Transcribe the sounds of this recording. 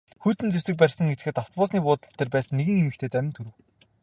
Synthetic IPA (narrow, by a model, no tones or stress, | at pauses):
xuːt̪ɘ̆nt͡sewsɘ̆k̚pærʲsə̆ŋet̪ɘ̥̆xɘ̆t̪ɔw̥t̪̚pʊːsniːpʊːt̪ə̆ɬt̪ːeːrpæːsə̆nːeɣɘ̆ŋemɘ̆xt̪ʰeːt̪æmʲɪ̆nt̪ʰɵɾɘ̆w